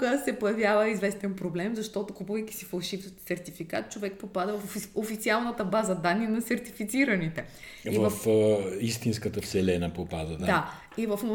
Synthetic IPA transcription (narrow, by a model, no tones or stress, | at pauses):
kəsɛpojɐvjavəizvɛst̪ɛnpɾoblɛmzɐʃt̪ɔt̪okupuvəjki̥sifɐlˠʃifssɛɾt̪ifikat̪̚t͡ʃovɛk̚popad̪əvfofit̪sialˠnət̪əbazəd̪anːinɐsɛɾt̪ifit̪siɾənit̪ɛ | ivəfist̪inskət̪əfsɛlɛnəpopad̪əd̪a | ivɐfo